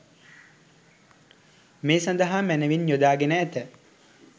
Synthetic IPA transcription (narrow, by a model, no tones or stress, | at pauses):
meːsãnd̪əɦamænəʋinjod̪aːɡenəːt̪ə